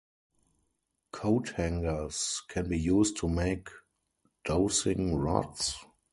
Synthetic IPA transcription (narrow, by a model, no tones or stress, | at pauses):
kʰoʊthæ̃ŋɡə˞skʰɛ̃nbiːjuːstʰːumeɪk | d̥oʊsɪ̃ŋɹɔ̰ts